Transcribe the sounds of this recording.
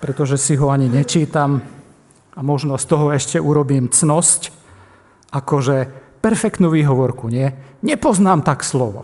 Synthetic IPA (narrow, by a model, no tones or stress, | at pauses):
pɾɛt̪ɔʒɛsiɦɔaɲiɲɛt͡ʃiːt̪am | amɔʒnɔst̪ɔɦɔɛʃcɛʔuɾɔbiːmt͡snɔsc | ʔakɔʒɛpɛɾfɛkt̪nuʋiːɦɔʋɔɾkuɲɪɛɲɛpɔznaːmt̪akslɔʋɔ̰